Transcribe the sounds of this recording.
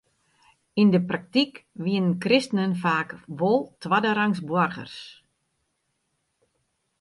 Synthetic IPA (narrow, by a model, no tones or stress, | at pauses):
indəprak̚tikʋiənənkrɪstənənfaːkʋolˠtʋadəɾaŋsbwɔrɣə̰rs